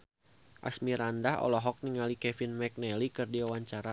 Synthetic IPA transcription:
ʔa̰smiɾandahɔ̰lɔɦɔk̚niŋalikɛfinmɛk̚nɛlikɨrdiwawaɲt͡ʃaɾa

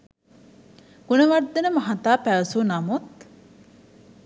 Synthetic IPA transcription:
ɡ̥unɐʋɐd̪ːenɐmɐɦɐt̪aːpæʋɐsunɐmut̪̚

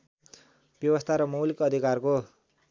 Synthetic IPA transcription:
b̥jʌbʌst̪ʰaɾʌmʌwlikʌd̪ʱikarko

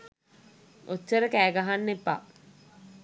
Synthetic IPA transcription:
ʔotːəɾəkæːɡaɦanːepːa̰

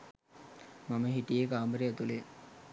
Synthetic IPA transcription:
maməɦiʈijekaːmbəɾeæt̪ule

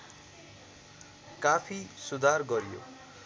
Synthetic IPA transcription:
kapʰisud̪ʱarɡʌɾjo̰

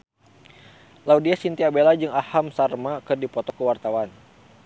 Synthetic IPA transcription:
laudiasint̪iabelad͡ʒɨŋahamsarmakɨrdipɔt̪ɔkəwart̪awan

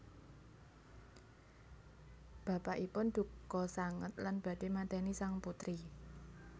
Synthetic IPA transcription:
b̥ä̤paʔipʊnd̪̥ṳkɔsaŋə̰t̪lanb̥ä̤d̥emat̪ɛnisaŋput̪ɾi

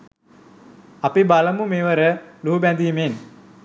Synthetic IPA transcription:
apibaləmumeːʋəɾəluɦubænd̪imen

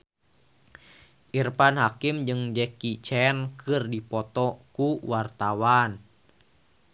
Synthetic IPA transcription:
ʔirpanɦakimd͡ʒɨŋd͡ʒɛkit͡ʃɛnkɨrdipɔt̪ɔkuwart̪awan

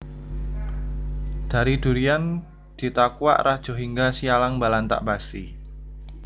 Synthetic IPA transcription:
d̪̥a̤ɾid̪̥ṳɾian | d̪̥i̤t̪akua̰ʔrahd̥ʒ̥o̤ɦiŋɡasialaŋbalant̪a̰ʔbasḭ

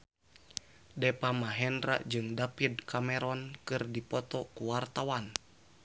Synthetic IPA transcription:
dɛpamaɦɛndɾa̰ʔd͡ʒɨŋdapidkamɛɾɔnkɨrdipɔt̪ɔkuwart̪awan

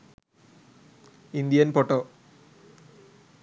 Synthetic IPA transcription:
ind̪ijɐnpoʈːoː

